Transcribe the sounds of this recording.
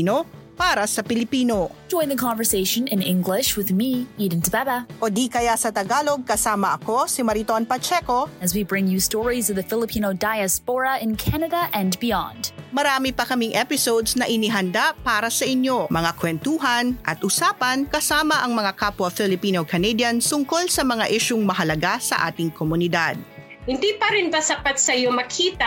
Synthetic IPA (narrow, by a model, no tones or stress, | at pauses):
no | paːɾɐsɐpɪlɪpiːno̞d͡ʒɔ̃ɪ̃nðəkʰɑ̃ɱvə˞seɪʃɨ̃nɪ̃nɪ̃ŋɡlɪʃwɨðmiiɾɨ̃n̩tʰəbɛɾəʔod̪ikɐjasɐt̪ɐɡaːloɡ̚kɐsaːmɐɐko̞simɐɾit̪onpɐt͡ʃɛko̞ɨzwibɹɪ̃ŋjʉstɔɹizʌvðɨfɪlˠəpʰĩnoʊdaɪɨspɔɹəɪ̃nkʰænɨɾəʔɨ̃nbiɑ̰̃nd̥mɐɾaːmipɐkɐmiŋʔɛpɪsowd̪snɐʔɪniɦɐnd̪apaːɾɐsɐʔɪɲjo̞mɐŋakwɛnt̪uːɦɐnʔɐt̪ʔʊsaːpɐnkɐsaːmɐʔɐŋmɐŋakapwɐfɪlɪpiːnokɐnɛd̪jɐnt̪ʊŋko̞lsɐmɐŋaʔiʃʊŋmɐɦɐlɐɡasɐ̰ʔa̰ːt̪ɪŋkomʊnɪd̪ad̪̚ | hɪnd̪ipɐɾɪnbasɐpat̪sɐjomɐkʰiːt̪ɐ